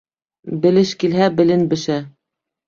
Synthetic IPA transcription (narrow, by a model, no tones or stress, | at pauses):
bɘ̆lɘʃkilɦæbɘ̆lɘ̆nbɘ̆ʃæ